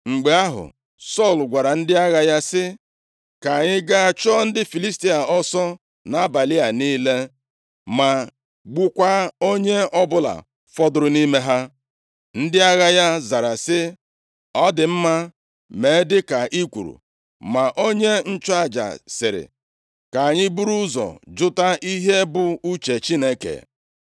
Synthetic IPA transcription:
ŋ͡m̩˨ɡ͡be˨a˦ɦʊ̰˨ | sɔ˦˨lɡʷa˨ɾa˨n̩˦dɪ˦a˦ɣa˦ja˦sɪ˦ | ka˨ɲɪ˦ɡa˦a˨t͡ʃɔ˦n̩˦dɪ˦fi˨li˦sti˦a˨ɔ˦sɔ˦ | na˦ba˨li˦a˨niː˦le˦ | ma˨ | ɡ͡bu˦kʷa˦o˦ɲe˦ɔ˦bʊ˦la̰˨ | fɔ˦dʊ˦ɾʊ˨ni˦me˦ɦa˦ | n̩˦dɪ˦a˦ɣa˦ja˦za˨ɾa˨sɪ˦ | ɔ˦dɪ˨m̩˦ma˦ | me˨˦dɪ˦ka˨ʔi˦kʷṵ˨ɾṵ˨ | ma˨ʔo˦ɲe˦n̩˦t͡ʃʊ˦a˦˨d͡ʒa̰˨sɪ˨ɾɪ̰˨ | ka˨a˨ɲɪ˦bu˦ɾu˦zɔ̰˨d͡ʒʊ˦ta˦ʔi˦ɦe˦bʊ˦u˦t͡ʃe˨t͡ʃi˦ne˦kḛ˨

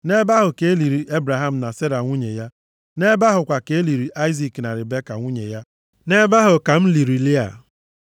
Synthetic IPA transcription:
ne˦ba˦ɦʊ˨ke˨e˦li˨ɾi˨ʔe˦bɾa˨ɦa˦m̩˨na˨se˦ɾa˨ŋʷu˦ɲe˨ja˦ | ne˦ba˦ɦʊ˨kʷa˨ke˦e˦li˨ɾi˨ʔa˦i˦zi˨kna˨ɾɪ˨be˦ka̰˨ŋʷu˦ɲḛ˨ja˦ | ne˦ba˦ɦʊ˨ka˨m̩˦li˨ɾi˨li˦a̰˨

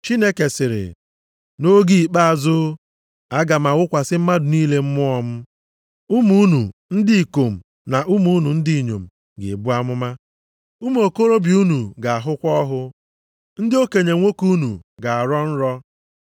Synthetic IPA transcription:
t͡ʃi˦ne˦ke˨sɪ˨ɾɪ̰˨ | no˦ɡi˦˨i˨k͡pa˦a˨zʊ˦ | a˦ɡa˨ma˨wʊ˦kʷa˨sɪ˦m̩˦ma˦dʊ˨niː˦le˦m̩˦mʊ˦ɔ˦m̩˦ | u˦mu˦nu˨n̩˦dɪ˦i˨ko˨m̩˨ | na˨ʔu˦mu˨˦nu˨n̩˦di˦i˨ɲo̰˨m̩˨ | ɡɪ̰˨bʊ˦a˦mʊ˦ma˦ | u˦m˦o˨ko˦ɾo˦bi˨u˦nu˨ɡa˨a˨ɦʊ˦kʷɔ˦ɦʊ˦ | n̩˦dɪ˦o˦ke˨ɲe˨ŋʷo˦ku˦nṵ˨ɡa˨a˨ɾɔ˦n̩˦ɾɔ˦

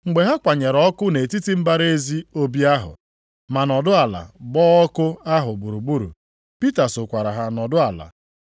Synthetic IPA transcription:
ŋ͡m̩˨ɡ͡be˨ɦa˦kʷa˨ɲe˨ɾɔ˦kʊ˦ne˨ti˦ti˦m̩˦ba˦ɾe˦zi˦o˦bi˦a˦ɦʊ̰˨ | ma˨nɔ˨dʊ˦a˨la̰˨bɔː˦ɔ˦kʊ˦a˦ɦʊ˨ɡ͡bu˨ɾu˨ɡ͡bu˦ɾṵ˨ | pi˦ta˨sʊ˨kʷa˨ɾa˨ɦa˦nɔ˨dʊ˦a˨la̰˨

